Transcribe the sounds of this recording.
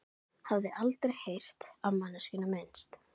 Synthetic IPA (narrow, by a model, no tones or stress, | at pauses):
havðɪʔalt̪ɾejhejr̥t̪awmanːasiːnamejnst̪